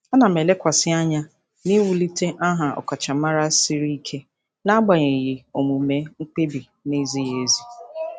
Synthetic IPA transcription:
a˦na˨me˨le˦kʷa˨sɪ˦a˦ɲa˦ | ni˦wu˨li˦te˦ʔa˦ɦa˨ɔ̰˨ka˨t͡ʃa˨˦a˦ɾa˦si˦ɾi˦i˦kʰe˦ | na˦ɡ͡ba˨ɲe˨ji˨o˨mu˨me˨˦ŋ͡m̩˦k͡pe˦bi˨ | ne˦zi˦je˦zi˦

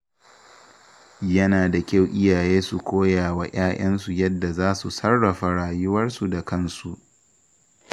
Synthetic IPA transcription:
jɐ˦naː˨da˨kʲa˦˨wʔɪ˦jaː˨jeː˦su˨kʷoː˦jaː˨wa˦j̰ʔaː˦j̰ɐ˦nsu˨jɐ˦dːa˨zaː˦su˨sɐ˦rːɐ˨ɸa˨ɽaː˨jʊ˦wɐ˦rsu˨da˨kɐ˦˨nsu˨ʔ

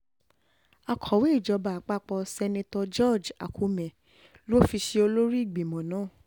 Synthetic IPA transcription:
a˨kʰɔ˨we˦i˦˨d͡ʒɔ˨˧ba˨k͡pa˦˨k͡pɔ˧sɛ˧nẽ˧tɔ˧d͡ʒɔ˦˨d͡ʒa̰˨kʰu˨˦mɛ̃˨ | lo˦fi˧ʃe˧o˧lo˦ɾi˦i˦˨ɡ͡bi˨mɔ̃˨nãː˨˦˨

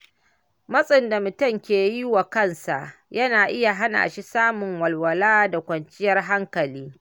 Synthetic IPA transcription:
mɐ˦sʼɪ˨nda˨mʊ˨tʊ˦˨ŋkʲeː˨ji˦wa˨kɐ˦˨nsa̰˨ʔjɐ˦naː˨ʔɪ˦ja˨ɦa˦na̰ː˨ʃi˦saː˦mʊ˨ŋwɐ˨lwɐ˨laː˦da˨kʷɐ˨nt͡ʃɪ˦jɐ˦rɦa˦ŋkɐ˨liː˦

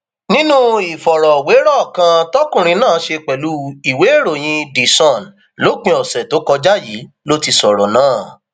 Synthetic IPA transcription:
nĩ˦nũ˦i˨fɔ˨ɾɔ˨we˨˦ɾɔ˦˨kã˧tɔ˦kũ˦˨ɾ̃ĩ˧nãː˦˨˦ʃe˧k͡pɛ˨lu˨˦i˨we˨˦e˦˨ɾo˨j̃ĩ˧di˨sɔ̃˨n | lo˦k͡pĩ˧ɔ˨sɛ˨to˨˦kɔ˧d͡ʒa˦ji˨˦ | lo˦ti˧sɔ˨ɾɔ˨nãː˦˨

